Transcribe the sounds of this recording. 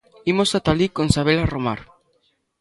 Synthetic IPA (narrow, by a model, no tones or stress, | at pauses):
imosat̪alikonsaβelaromaɾ